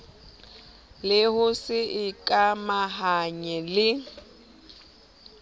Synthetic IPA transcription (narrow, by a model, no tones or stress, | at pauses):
lɪhʊsɪɪkʼamahaɲɛlɪ